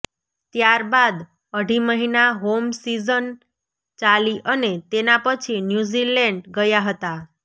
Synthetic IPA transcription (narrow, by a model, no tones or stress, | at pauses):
t̪jaɾbad̪ | əɽiməɦinaɦomsizən | t͡ʃaliʔənet̪enapət͡ʃʰinjuzilɛɳɖɡəjaɦət̪a